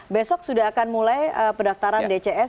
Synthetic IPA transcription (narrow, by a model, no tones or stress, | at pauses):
besɔk̚sudaɦakanmulajəpədaft̪aɾandet͡ʃeʔɛs